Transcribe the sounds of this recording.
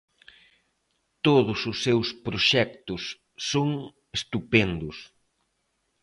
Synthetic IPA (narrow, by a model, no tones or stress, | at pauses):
t̪oðʊsʊsːewspɾoʃɛk̚t̪ʊsː | oŋ | est̪upɛnd̪ʊs